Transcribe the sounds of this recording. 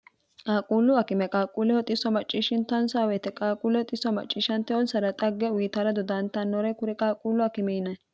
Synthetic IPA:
kʼaːkʼuːlʊɐkɪmɛkʼaːkʼuːlɛhɔt̪ʼɪsːɔmɐt͡ʃʼːiʃɪnt̪ɐnsaːwɛt̪ɛkʼaːkʼuːlɛhɔt̪ʼɪsɔmɐ̰t͡ʃʼːiːʃɐnt̪ːɛɔnsɐɾɐt̪ʼɐɡːɛwiːt̪aːɾɐd̪ɔd̪ɐnt̪ɐnːɔɾɛkʊɾɛkʼaːkʼuːlʊɐkɪmɛnɐ

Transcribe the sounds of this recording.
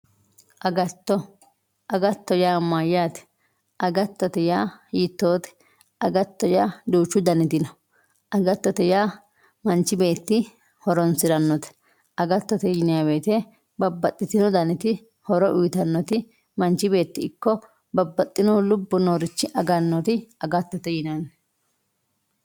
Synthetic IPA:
ʔɐɡɐt̪ːɔ | ʔɐɡɐt̪ːɔjaːmːajːaːt̪ɛ̥ | ʔɐɡɐt̪ːɔt̪ɛjaːjɪt̪ːo̞ːt̪ɛ̥ | ɐɡɐt̪ːɔjaːd̪uːt͡ʃːʊd̪ɐnɪt̪ɪnɔ | ʔɐɡɐt̪ːɔt̪ɛjaː | mɐnt͡ʃːɪbe̞ːt̪ːɪ | hɔɾɔnsɪɾɐnːɔt̪ɛ̥ | ʔɐɡɐt̪ːɔt̪ɛjɪnɪjabe̞ːt̪ɛ | bɐbːɐt̪ʼːɪt̪ɪnɔd̪ɐnɪt̪ɪ | hɔɾɔʔʊjt̪ɐnːɔt̪ɪ | mɐnt͡ʃːɪbe̞ːt̪ːɪɪkːɔ | bɐbːɐt̪ʼːɪnɔlʊbːɔnoːɾɪt͡ʃːɪʔɐɡɐnːɔt̪ɪɐɡɐt̪ːɔt̪ɛjɪnɐn

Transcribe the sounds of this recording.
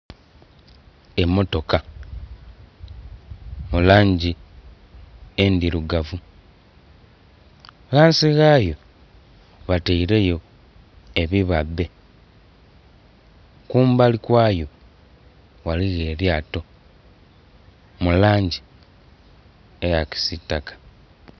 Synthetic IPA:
e̞mo̞to̞ka | mulaːɲɟi | endiɾuɡavu | ɣaːnsiɣaːjo̞ | βateiɾe̞jo̞ | e̞βiβabːe̞ | kuːmbalikwaːjo̞ | waliɣe̞ːɾjaːto̞ | mulaːɲɟi | ejaki̥sitːakḁ

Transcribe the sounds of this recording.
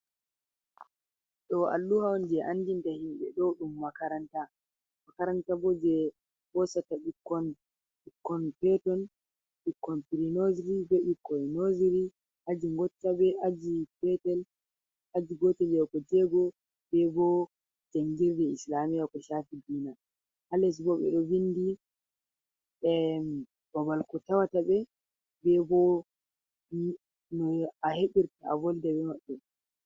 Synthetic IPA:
ɗɔa̰lːuhawnd͡ʒɛʔanːdintahimɓɛ̰ɗɔɗumːakaɾanta | makaɾantabɔd͡ʒɛ | bɔsataɗikːɔn | ikːɔnpɛtɔn | ɗikːɔnpiɾinozɾibɛɗikːɔnoziɾi | ʔad͡ʒiŋɡɔtːabɛad͡ʒipɛtɛl | ʔad͡ʒiɡɔtɛljɛkɔd͡ʒɛɡɔ | bɛbɔ | d͡ʒaŋɡiɾdɛislamijakɔʃaːfidiːna | halɛs̬bɔɓɛ̰ɗɔbinːdi | ɛ | b̥abalkɔtawataɓɛ | bɛbɔ | nɔaheɓiɾtaa̰vɔldɛbɛmaɓːɛ

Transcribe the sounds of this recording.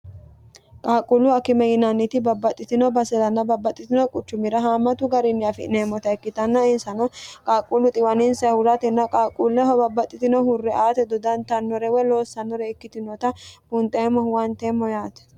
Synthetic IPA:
kʼaːkʼulʊɐkɪmɛjɪnɐnːɪt̪ɪbɐbːɐt̪ʼːɪt̪ɪnɔbɐsɛlɐnːɐbɐbːɐt̪ʼːɪt̪ɪnɔkʼʊt͡ʃːʊmɪɾɐɦaːmːɐt̪ʊɡɐɾɪnːɪɐfɪ̰ʔnemːɔt̪ɐɛkːɪt̪ɐnːɐɪnsɐnɔkʼaːkʼulʊt̪ʼɪwɐnɪnsɐhʊɾɐt̪ɛnːɐkʼaːkʼulːɛɦɔbɐbːɐt̪ʼːɪt̪ɪnɔhʊrːɛaːt̪ɛd̪ɔd̪ɐnt̪ɐnːɔɾɛwɛlo̞ːsːɐnːɔɾɛɛkːɪt̪ɪnɔt̪ɐb̥ʊnt̪ʼɛmːɔhwɐnt̪ɛmːɔjaːt̪ɐ̥

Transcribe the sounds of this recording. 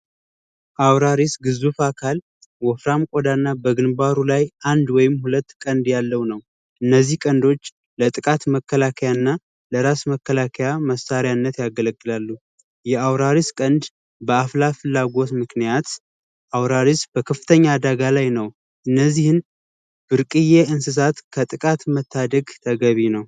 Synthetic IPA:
ʔawɾaɾisɡɨzufakʰal | wɔfɾamkʼod̪anːabəɡɨnbaɾulajʔand̪wɔjɪmhulət̪ːkʼənd̪jalːəwnəw | ʔɨnːəzːihkʼənd̪o̞t͡ʃː | lət̪ʼɨkʼat̪məkːəlakʰəjanːa | ləɾasməkʰːəlakʰəjaməsaɾijaɨnːət̪jaɡələɡʼːɨlalːu | jɛawɾaɾiskʼənd̪ | bəaflafɨlːaɡo̞t̪mɨknijat̪ | ʔawɾaɾisb̥əkʰəfɨ̥t̪ʰəɲːad̪aɡalajnəw | ʔɨnːəzːihɨn | b̥ɨɾkʼɨjeɨnsɨs̬at̪kʰət̪ʼɨkʼat̪mət̪ʰːad̪əɡt̪ʰəɡəβinəw

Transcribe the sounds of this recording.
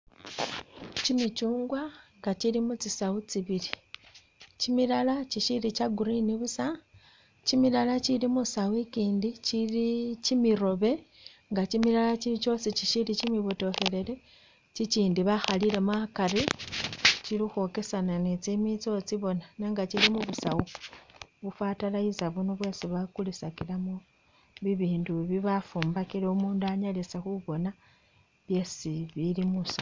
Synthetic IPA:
t͡ʃimit͡ʃuːŋɡwaŋɡat͡ʃilimut͡sisaut͡siβiɾi | t͡ʃimilalat͡ʃiʃiɾit͡ʃaɡuɾiniβusa | t͡ʃimilalat͡ʃilimusawikiːndit͡ʃilit͡ʃimiɾoβe̞ŋɡat͡ʃimilalat͡ʃit͡ʃo̞sit͡ʃiʃilit͡ʃimiβoto̞xe̞le̞le̞ | t͡ʃit͡ʃiːndiβaxaliɾe̞makaɾi | t͡ʃilixo̞ke̞sananet͡simit͡so̞t͡siβo̞naneŋɡat͡ʃilimuβusawu | βufatalaizaβunoβwe̞ːsiβakulisakilamo | βiβiːnduβiβafuːmbakiɾeumuːnduaɲalisexuβo̞na | βje̞siβilimusa

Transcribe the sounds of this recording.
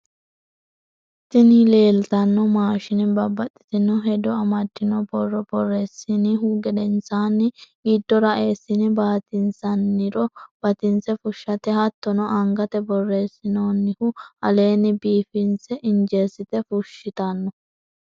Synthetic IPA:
t̪ɪnile̞ːlt̪ɐnːɔmaːʃɪnɪbɐbːɐt̪ʼːɪ̥t̪ɪnɔɦɛd̪ɔɐmɐd̪ːɪnɔbɔrːɔbɔrːeːsːɪnɪhuɡɛd̪ɛnsaːnːɪ | iːd̪ːɔɾɐʔeːsːɪnɪbaːt̪ɪnsɐnːɪɾɔb̥ɐt̪ɪnsɛfʊʃːɐt̪ɛhɐt̪ːɔnɔʔɐŋɡɐt̪ɛbɔrːe̞ːsːɪnoːnːɪhʊʔɐle̞ːnɪbiːfɪnsɛʔɪnd͡ʒe̞ːsːɪt̪ɛfʊʃːɪt̪ɐnːɔ

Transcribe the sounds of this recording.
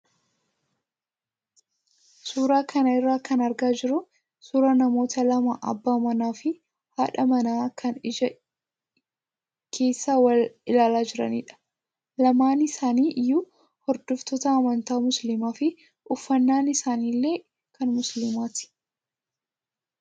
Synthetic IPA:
suːɾaːkɐnɐɪrːaːkɐnɐɾɡaːd͡ʒɪɾʊ | suːɾɐnɐmo̞ːt̪ɐlɐmaʔɐ̰bːaːmɐnaːfɪ | haːᶑɐmɐnaːkʰɐnɪd͡ʒɐ | kʰe̞ːsːaːwɐlɪlaːlaːd͡ʒɪɾɐ̰nḭːᶑɐ̥ | lɐmaːnɪsaːniːʔjuː | hɔɾd̪ɔft̪ɔt̪ɐːmɐnt̪aːmʊslɪmaːfɪ | ʔʊfːɐnːaːnɪsaːniːlːe̞ː | kɐnmʊslɪmaːt̪ɪ̥

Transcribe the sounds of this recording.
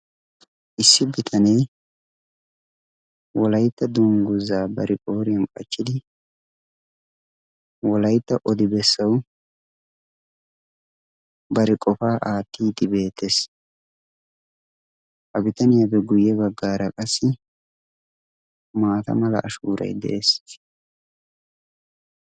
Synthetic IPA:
ʔɪsːɪbɪt̪ʰɐnɛj | wɔlɐjt̪ːɐd̪ʊŋɡʊzaːbɐɾʔɪʔʼo̞ːɾɪjɐnkʼɐt͡ʃːɪd̪ɪ | wɔlɐjt̪ːɐʔɔd̪ɪbɛsːɐw | bɐɾɪkʼɔfaːʔaːt̪ːiːt̪ːɪbe̞ːt̪ːes | ʔɐbɪt̪ɐnɪjabɛɡʊjɛbɐɡːaːɾɐkʼɐsːɪ | maːt̪ɐ̰mɐlɐ̰ʔːʃuːɾɐ̰jd̪ɛ̰ʔesɪ̥

